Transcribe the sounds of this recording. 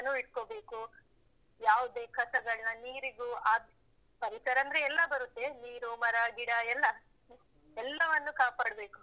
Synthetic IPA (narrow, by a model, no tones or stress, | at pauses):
ɐnːuiɽ̚kobe̞ːku | jaːʋud̪eːkʰɐsɐɡɐɭinɐniːɾiɡuaːd̪ | pɐɾisɐɾɐnd̪ɾeɛlːɐbɐɾut̪ːe̞niːɾumɐɾɐɡiɽɐɛlːɐ | ɛlːɐʋɐnːukaːpaːɽɐbe̞ːku̥